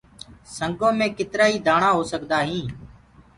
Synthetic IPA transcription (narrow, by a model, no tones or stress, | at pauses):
səŋɡõːmẽːkɪt̪ɾaːiːd̪ʱaːɳãːɦoːsəkd̪aːɦĩː